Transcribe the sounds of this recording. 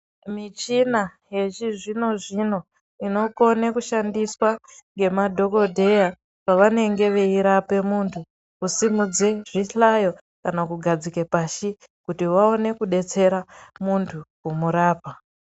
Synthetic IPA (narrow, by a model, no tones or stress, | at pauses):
mit͡ʃina | je̞t͡ʃiʐino̞ʐino̞ | ino̞ko̞nekuʃandiswaŋɡe̞madʱo̞ko̞dʱe̞ja | paʋane̞ŋɡe̞ʋeiɾape̞muntʰu | kusimud͡zeʐiɬajo̞ | kanakuɡʱad͡zikepaʃi | kutiwao̞ne̞kuɗe̞t͡se̞ɾamuntʰukumuɾaːpa